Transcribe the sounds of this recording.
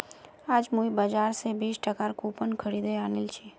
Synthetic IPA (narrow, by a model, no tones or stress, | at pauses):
aːd͡ʒmuibəd͡ʒaːɾsebiːsʈəkaɾkupənkʰəɾid̪eaːnilt͡ʃʰi